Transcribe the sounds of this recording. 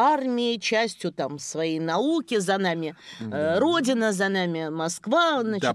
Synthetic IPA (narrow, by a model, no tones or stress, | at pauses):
armʲɪɪt͡ɕæsʲtʲjʊt̪amsvɐjejnɐukʲɪzɐnamʲɪɾo̞dʲɪnəzɐnamʲɪmɐskvazna